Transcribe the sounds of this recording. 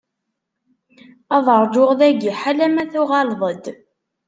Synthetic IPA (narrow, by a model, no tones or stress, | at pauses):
ɑðˤəɾˤd͡ʒʊʁðæɡiħalæmæθʊʁɑlðˤəd̪